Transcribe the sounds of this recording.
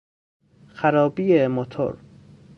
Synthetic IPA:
xæɾɒːbiːemot̪ʰo̰ɾ

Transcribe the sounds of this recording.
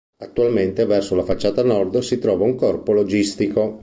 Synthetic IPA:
at̪ːualment̪evɛrsolafat͡ʃːaːt̪anɔrd̪sit̪ɾɔːvauŋkɔrpolod͡ʒist̪iko

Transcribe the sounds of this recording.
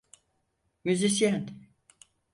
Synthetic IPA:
myzis̬jan

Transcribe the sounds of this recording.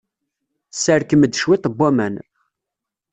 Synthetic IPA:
səɾkəməd̪ːʃwit̪ˤəbʷːæmæn

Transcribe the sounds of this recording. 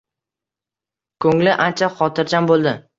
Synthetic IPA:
kʰɵŋlɪʔant͡ʃʰaχɒt̪ʰɪɾd͡ʒambolˠd̪ɪ

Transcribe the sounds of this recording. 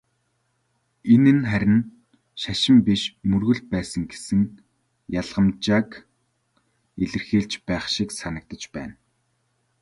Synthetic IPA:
enɘ̆nχæɾʲɪ̆n | ʃaʃɪ̆mpiʃmɵrɣɵ̆ɮ̚pæːsə̆ŋɡe̥sɘ̆ŋ | jaɮʁə̆mt͡ɕaːk | eɮɘ̆rxeːɮt͡ɕpæːχʃiksanə̆k̚t̪ə̆t͡ɕpæ̰ːn

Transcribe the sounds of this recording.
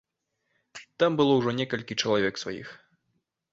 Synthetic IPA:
t̪ambɨlˠɔwʐɔnʲɛkɐlʲkʲit͡ʂɐlˠavʲɛksva̰jḭx

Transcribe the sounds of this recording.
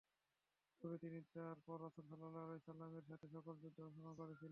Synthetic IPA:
k̪ubet̪init̪aɾpɔɾːasulsɔlːalaalesalːameɾʃat̪ʰeʃɔkold͡ʑud̪ʱːaʃonakoɾet͡ɕʰilen

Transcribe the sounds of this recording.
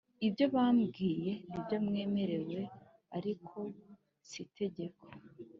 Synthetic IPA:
ibjo̞βaːmɡiːje̞nibjo̞mŋe̞ːme̞ɾe̞we̞ | aɾikʰo̞ | sitʰe̞ɟe̞kʰo

